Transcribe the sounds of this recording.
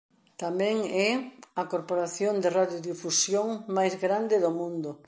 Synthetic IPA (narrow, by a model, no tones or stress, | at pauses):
t̪amɛ̃ŋɛɐkoɾpoɾaθjond̪ɪraðjoðifusjoŋmajzɣɾand̪ɪðomũnd̪ʊ